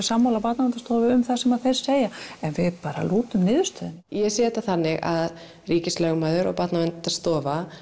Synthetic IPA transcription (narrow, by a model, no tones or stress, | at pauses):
samːawlapat̪navɛnt̪ḁst̪ɔːvɪʏmθasɛmaðθejɾ̥seːjaɛnvɪðpaːɾa̰luːt̪ʏmnɪːðʏ̥st̪œðɪnjɛsɛːt̪aθanːɪɣa̰ð | riːcɪslɛɣmaːðʏɾɔ̰ɣpat̪navɛnt̪ast̪ɔːva